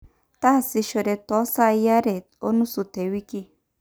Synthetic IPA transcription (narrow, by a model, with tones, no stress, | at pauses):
ta˦˨si˧ʃo˨ɾɛ˧tɔ˨˦sa˦˨˦ja˦ɾɛ˨ | o˦nu˦su˨te˨wi˦ki˦